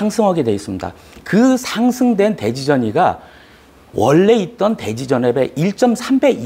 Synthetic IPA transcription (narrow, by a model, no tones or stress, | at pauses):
aŋsʰɯŋɦaɡe̞dwe̞is͈ɯmɲida̰ | kɯsʰaŋsʰɯŋdwe̞nte̞d͡ʑid͡ʑʌɲiɡa | wʌɭːe̞it̚t͈ʌnte̞d͡ʑid͡ʑʌnebe̞ʔiɭt͡ɕ͈ʌmsʰambe̞ɡ